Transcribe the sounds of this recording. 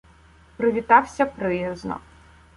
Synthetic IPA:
pɾɪʋʲit̪ɑwsʲɐpɾɪjɐznɔ̰

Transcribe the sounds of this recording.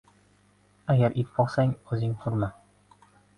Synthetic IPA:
aɡʲaɾʔit̪bɒqsaŋɵzɪŋt̪ʰʊɾma

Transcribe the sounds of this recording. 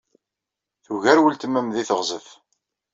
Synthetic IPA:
θuʝæɾwəlt̪əmæmðiθəʁzəf

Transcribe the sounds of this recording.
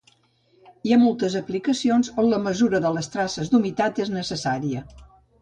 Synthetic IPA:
iamolˠt̪əzəplikəsionzonləməzuɾəðələst̪ɾasəzd̪umit̪at̪eznəsəsaɾiə

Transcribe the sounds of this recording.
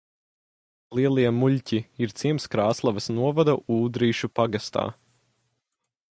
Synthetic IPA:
lˠiɛlˠiɛmuʎʲciiɾt̪siɛmskɾaːslˠavɐsnuɔvad̪ɐʔuːd̪ɾiːʃupaɡast̪a̰ː

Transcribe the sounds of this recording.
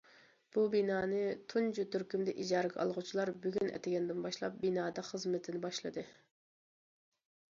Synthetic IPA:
b̥ubinɑːnɨt̪ʰund͡ʒut̪ʰyɾkʲymd̪ɛʔid͡ʒɑːɾɨɡʲɑʔɑ̰lˠʁʊt͡ʃʰilˠɑɾbyɡʲynɛ̰t̪ʰɪɡʲɛnd̪ɪnbɑʃlˠɑp̚binɑːd̪ɑχəzmɪt̪ʰɪnɪbɑʃlˠɨ̰d̪ɨ

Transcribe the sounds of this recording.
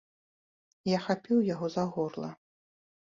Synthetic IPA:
jaxapʲiwjaɣɔzaɣɔrlˠɐ̰

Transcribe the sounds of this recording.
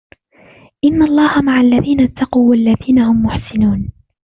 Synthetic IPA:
ʔɪnːaʔlˤːɑːhamaʕalːaðiːnat̪ʰːɑquːwalːaðiːnahʊmːʊħsɪnuːn

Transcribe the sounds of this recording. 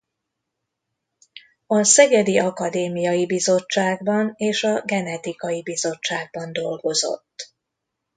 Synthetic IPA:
ɒsɛɡɛd̪iʔɒkɒd̪eːmijɒjibizo̞t͡ʃːaːɡbɒneːʃɒɡɛnɛt̪ikɒjibizo̞t͡ʃːaːɡ̚bɒnd̪o̞lɡo̞zo̞̰t̪ː

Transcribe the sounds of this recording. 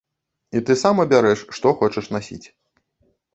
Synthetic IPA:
it̪ɨsamɐbʲaɾɛʂːt̪ɔxɔt͡ʂɐʂnasʲḭt͡sʲ

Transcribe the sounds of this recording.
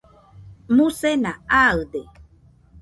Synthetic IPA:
mũsenaaɯd̪e

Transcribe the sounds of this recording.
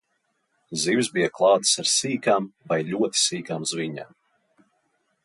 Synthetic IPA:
zivzbijaklˠɑːt̪saɾsiːkaːmvajlʲuɔt̪i̥siːkaːmzviɲa̰ːm

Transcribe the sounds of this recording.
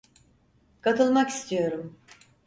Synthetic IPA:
kʰat̪ʰɯlˠmaki̥st̪ʰijo̞ɾum

